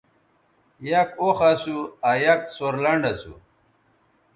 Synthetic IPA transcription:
jakoxasuajɐk̚soɾlɐɳɖasṵ

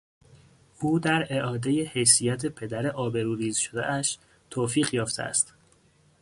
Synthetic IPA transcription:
ʔuːd̪æɾe̞ʔɒːd̪e̞je̞he̞jsijæt̪ʰepʰe̞d̪æɾeʔɒːbe̞ɾuːɾiːzʃod̪ḛʔæʃ | t̪ʰoːfiːɣjɒːft̪ḛæ̰st̪

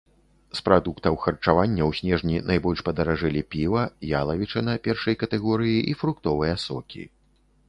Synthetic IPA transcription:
spɾad̪ukt̪ɐwxɐrt͡ʂavanʲːɐwsʲnʲɛʐnʲinʔajbɔlʲʂpɐd̪ɐɾaʐɛlʲipʲivɐjalˠɐvʲit͡ʂɐnɐpʲɛrʂɐjkɐt̪ɛɣɔɾɨjiʔifɾukt̪ɔvɨjɐsɔkʲḭ

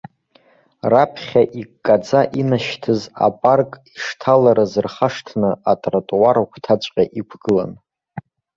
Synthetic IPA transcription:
rapʰχʲaʔikkʼːad͡zaʔinaʃtʰɨza̰pʼarkʼiʂtʰalaɾazɨrχaʂtʰnɨatʼratʼwaɾakʷʰtʰat͡ʃʷʼqʲʼaʔikʷʰɡ̥ɨla̰n

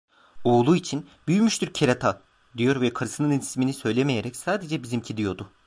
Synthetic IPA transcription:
oːlˠuit͡ʃʰin | byjymyʃt̪ʰyɾcʰeɾat̪ʰa | d̪ijo̞ɾvɛkʰaɾɯsɯnɯninʰisminisø̞jlʲe̞meje̞ɾɛcsaːd̪e̞d͡ʒɛbizimcʰid̪ijo̞d̪ʊ

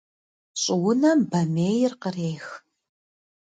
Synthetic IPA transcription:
ɕʼɪwʊnɐmbɐmeːjɪrqəreːx

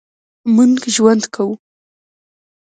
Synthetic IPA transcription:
muŋɡʒwand̪kʰawu

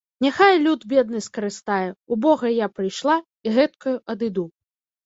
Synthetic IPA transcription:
nʲaxajlʲud̪bʲɛd̪̚nɨskɐɾɨst̪ajɛubɔɣɐjapɾɨjʂlˠa | iɣɛt̪kɐjuʔɐd̪ɨd̪u

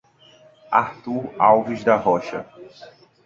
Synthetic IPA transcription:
a̰ɾt̪uɾawviʒd̪ɐɦɔʃɐ̰

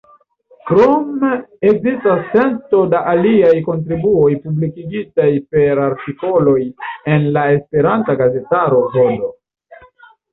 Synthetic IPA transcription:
kɾome̞kzistast͡se̞nto̞daʔaliajko̞nt̬ɾibuo̞jpublikiɡitajpe̞ɾaɾtiko̞lo̞je̞nlae̞spe̞ɾantaɡaze̞taɾo̞vo̞lo̞

